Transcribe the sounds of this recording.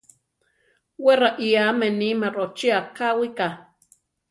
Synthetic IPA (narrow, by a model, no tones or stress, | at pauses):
weɾaʔiamenimaɾot͡ʃiakawika